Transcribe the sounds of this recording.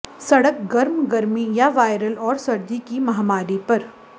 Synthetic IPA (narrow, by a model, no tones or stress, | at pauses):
sɐɽək̚ɡɐɾmɡɐɾmijaʋaːɪɾəlɔːɾsɐɾd̪ikimɐɦamaːɾipɐɾ